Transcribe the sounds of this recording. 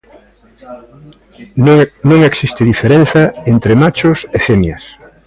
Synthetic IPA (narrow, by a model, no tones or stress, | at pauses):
nõŋeksist̪ɪðifeɾen̟θɐent̪ɾemat͡ʃʊsefemjɐs